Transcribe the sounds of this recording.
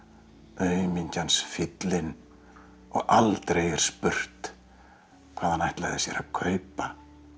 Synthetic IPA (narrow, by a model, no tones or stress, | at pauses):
œɥmiɲcansfɪt̪lɪn | ɔ̰ɣalt̪ɾeːjɛɾ̥spʏr̥t̪ | kʰvaːðhanajht̪la̰ːjðɪsjɛ̰ɾakʰœːɥpa